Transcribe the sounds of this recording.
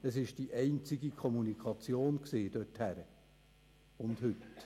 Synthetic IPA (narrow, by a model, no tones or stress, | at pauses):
əsɪʃd̥iʔɛɪnt͡siɡikʰɔmunikʰɑt͡sjoːnksiːd̥œthæɾə | ʊndhʏt